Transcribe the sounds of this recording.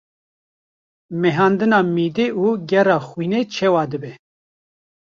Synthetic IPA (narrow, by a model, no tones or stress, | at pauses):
mɛɦɑːnd̪ɨnɑːmiːd̪eːuːɡɛɾɑːxwiːnet͡ʃʰɛwɑːd̪ɨbɛ